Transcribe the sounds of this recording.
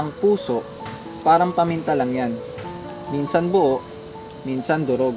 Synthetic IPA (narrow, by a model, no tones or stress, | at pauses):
ɐŋpuːso̞ʔ | paːɾɐmpɐmɪnt̪ɐlɐŋjan | minsɐnbʊʔoʔ | minsɐnd̪ʊɾoɡ